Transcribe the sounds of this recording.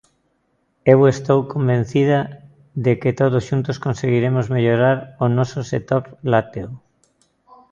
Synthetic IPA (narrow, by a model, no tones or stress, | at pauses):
ewest̪owkombẽn̟θið̞ɐ | ðeket̪oð̞ʊsʃunt̪ʊskonseɣiɾemozmeʎoɾaɾonɔsoset̪oɾlat̪eo